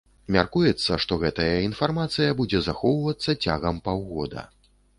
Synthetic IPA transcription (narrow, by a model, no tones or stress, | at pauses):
mʲa̰rkujɛt̪sːɐʂt̪ɔɣɛt̪ɐjɐinfarmat̪sɨjɐbud͡zʲɛzaxɔwvɐt̪sːɐt͡sʲa̰ɣɐmpawɣɔd̪ɐ̰